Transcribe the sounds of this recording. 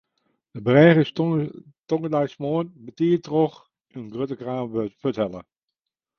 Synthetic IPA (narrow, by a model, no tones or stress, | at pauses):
dəbərɛːɣəs | toŋədɛjsmoənbətiːtrox | ənɡrøtəkraːmføtɛlˠə